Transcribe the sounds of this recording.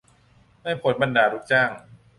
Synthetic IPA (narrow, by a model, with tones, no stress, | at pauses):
ma˥˩jpʰo˨˩˦nba˧ndaː˨˩ɾu˦˥k̚t͡ɕaː˥˩ŋ